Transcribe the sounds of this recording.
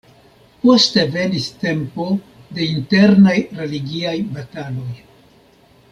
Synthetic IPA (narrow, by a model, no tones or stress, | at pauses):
po̞ste̞ve̞niste̞mpo̞ | de̞inte̞ɾnajɾe̞liɡiajbatalo̞j